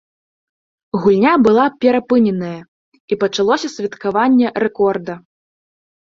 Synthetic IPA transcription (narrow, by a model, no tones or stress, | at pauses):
ɣulʲnʲabɨlˠapʲɛɾapɨnʲɛnɐjɐ | ipɐt͡ʂalˠɔsʲɐsʲvʲɐt̪kavanʲːɛɾɛkɔrd̪ɐ